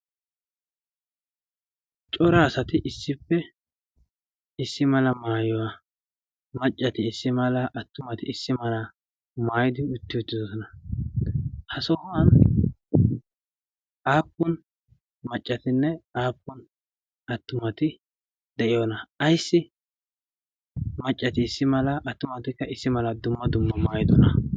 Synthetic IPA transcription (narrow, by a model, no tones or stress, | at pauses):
t͡ʃʼɔɾaːsɐt̪ɪʔɪsːɪpːɛ | ɪsːɪmɐlɐmaːjɔwɐ | mɐt͡ʃʼːɐt̪ɪːsːɪmɐlɐʔɐt̪ːʊmɐt̪ɪɪsːɪmɐlɐ | maːjɪd̪ɪʊt̪ːɪʊt̪ːɪd̪ɔsɔnɐ | hɐsɔhʊwɐn | ʔaːpːʊn | mɐt͡ʃʼːɐt̪ɪnːɛaːpːʊn | ɐt̪ːʊmɐt̪ɪ | d̪ɛʔɪjɔnɐɐjsːɪ | mɐt͡ʃʼːɐt̪ɪːsːɪmɐlɐʔːt̪ːʊmɐt̪ɪkːɐɪsːɪmɐlɐd̪ʊmːɐd̪ʊmːɐmaːjɪd̪ɔnɐ